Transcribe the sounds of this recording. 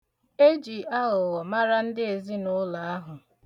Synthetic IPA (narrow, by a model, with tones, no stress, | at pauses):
e˦d͡ʒi˨a˦ʊ˨wɔ˨ma˦ɾa˦n̩˦dɪ˦e˨zi˦nʊ˦la˨a˦ɦʊ˨